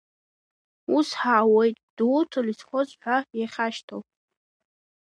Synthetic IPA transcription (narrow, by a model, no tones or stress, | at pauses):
usħawejtʼd̥ut͡sʰolisχʷozʼħʷᶣajaχʲaʃtʰowpʼ